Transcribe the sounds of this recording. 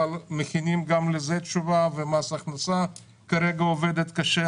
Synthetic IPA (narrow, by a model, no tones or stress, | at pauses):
almeχinimɡamlezet̪ʃuvavemasaχnasa | kaɾeɡaoved̪et̪kaʃe